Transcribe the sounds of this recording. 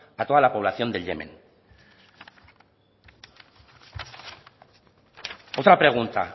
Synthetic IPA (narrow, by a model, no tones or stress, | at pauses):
at̪oalapo̞β̞lasio̞nd̪eʎḛmḛn | ot̪ɾapɾe̞ɣ̞unt̪a